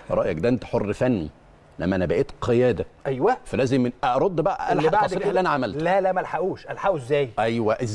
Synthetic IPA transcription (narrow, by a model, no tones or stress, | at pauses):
ɾˤɑʔjækd̪æːʔent̪æ̥ħorːfænːi | lʔæmːæʔænæbæʔeːt̪qʰejæːd̪æʔæjwæfælæːzemʔæʔɑɾˤod̪ːbæʔæ̰ʔælʕɑsˤɾiːħlːʔænæʕamælt̪lælæʔmælħaʔuːʃʔælħaʔuezːæːjʔæjwæʔe